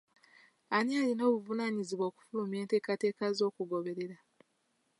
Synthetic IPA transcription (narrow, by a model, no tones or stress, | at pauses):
anialino̞ːβuvunaɲiziβwoːku̥fulumje̞ːnte̞ːkate̞ːkazo̞ːkuɡo̞βe̞ɾe̞ɾa